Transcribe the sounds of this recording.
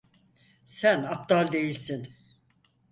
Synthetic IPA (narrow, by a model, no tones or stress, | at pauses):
sænap̚t̪alʲˠd̪e̞jilʲsin